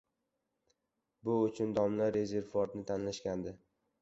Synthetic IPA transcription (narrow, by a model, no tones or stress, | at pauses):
bʊʊt͡ʃʰʊnd̪ɒmlaɾe̞ze̞ɾvuɒɾnɪt̪ʰanlaʃkʲand̪ɪ